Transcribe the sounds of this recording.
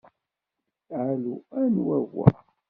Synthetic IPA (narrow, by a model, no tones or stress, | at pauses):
ʕaluænwæɣa̰